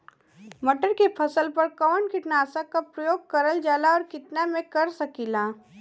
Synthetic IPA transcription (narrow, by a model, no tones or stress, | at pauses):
mɐʈəɾkepʰɐsəlpɐɾkɔːnkɪʈnaːsakapɾəjoːɡ̚kɐɾəld͡ʒaːlaɔːɾkɪt̪namẽkɐɾsɐkiːlaː